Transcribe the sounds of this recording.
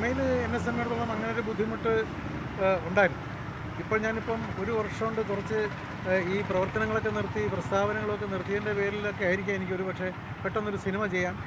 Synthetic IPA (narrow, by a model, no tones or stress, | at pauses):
mejilɨenːesemːeɽt̪ːuɭːɐmɐŋːɐnejoɾebud̪ʱːimuʈːɨ | uɳɖaːjiɾunːu | ipːo̞ːɭɲaːnipːɐmo̞ɾuʋɐrʂɐmoɳɖɨk̪urɐt͡ɕːɨ | iːprɐʋɐrt̪ɐnɐŋːɐɭo̞kːe̞nirt̪ːiiːprɐst̪ʰaːbɐnɐŋːɐɭo̞kːe̞nirt̪ːijendepe̞ːɾilo̞kːe̞aːjiɾikʲːame̞nikʲːo̞ɾupɐkʂe̞ | peʈːonːoɾusinimɐt͡ɕe̞jːaːm